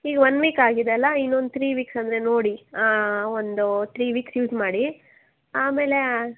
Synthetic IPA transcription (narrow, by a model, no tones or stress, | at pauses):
iːɡɐʋɐnːʋiːkaːɡid̪eɐlːɐinːond̪ut̪ʰɾiːʋiːksɐnd̪ɾe̞noːɽiaond̪ut̪ɾiːʋiːksjuːsmaːɽi | aːme̞ːle